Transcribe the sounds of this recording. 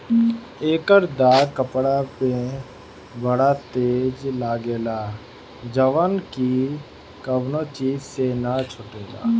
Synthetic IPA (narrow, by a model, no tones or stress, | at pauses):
eːkəɾd̪aːkəpɽape | bəɽat̪eːd͡ʒlaːɡeːlaː | d͡ʒəʋənki | kəbnot͡ʃiːd͡ʒsenat͡ʃʰʊʈeːla̰ː